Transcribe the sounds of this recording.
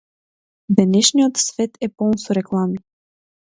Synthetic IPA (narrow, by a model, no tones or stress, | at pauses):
d̪ɛnɛʃnijot̪svɛt̪ɛpɔlˠnsoɾɛklˠami